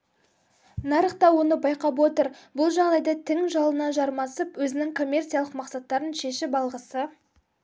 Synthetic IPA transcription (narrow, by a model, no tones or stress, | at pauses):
nɑɾəqt̪ɑwo̞nəbɑjqɑpwo̞t̪əɾbʊlˠʒɑʁd̪ɑjd̪ɑt̪ʰɪŋʒɑlˠənɑʒɑɾmɑsəpwɵzɪnɪŋkʰo̞mʲːe̞rt̪sialˠəqmɑqsɑt̪ːɑɾənʃe̞ʃɪbɑlˠʁəsə